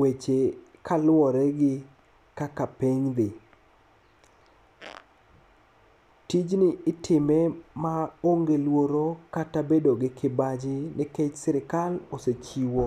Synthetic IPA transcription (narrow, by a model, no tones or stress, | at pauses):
wet͡ʃekʰalɔɾɛɡɪ | kakapiŋd̪ɪ | tid͡ʒnɪɪtʰɪmɛmaoŋɡelwoɾokatabedoɡɪkʰɪbad͡ʒɪnɪket͡ʃsɪɾɪkaloset͡ʃiwo